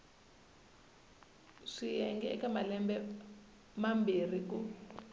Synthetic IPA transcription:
ʂijɛŋɡɛɛkamalɛmbɛ | mambʱir̤ik̬u

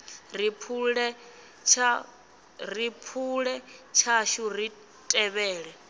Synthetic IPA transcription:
ripʰɺɛ | t͡ʃʰ | ripʰuɺɛt͡ʃʰaʃuɾi | tʼɛβɛːɺɛ

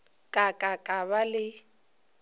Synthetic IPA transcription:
kʼakʼakʼaβalɪ

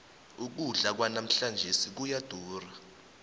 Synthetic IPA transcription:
uk̬uɮak̬wanam̩ɬand͡ʒʱesik̬ujad̥ʱuːra

